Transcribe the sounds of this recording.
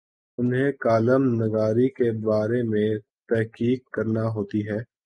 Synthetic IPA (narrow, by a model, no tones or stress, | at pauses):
ʊnɦẽkaːləmnɐɡaːɾikebaːɾemẽ | t̪ɛɦkiːkːɐɾnaɦoːt̪iɦɛː